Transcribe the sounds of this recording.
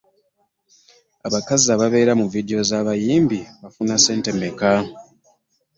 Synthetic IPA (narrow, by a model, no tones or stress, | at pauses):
aβakaziaβaβe̞ːɾamuvideo̞zaːβajiːmbiβafunase̞ːnte̞me̞ka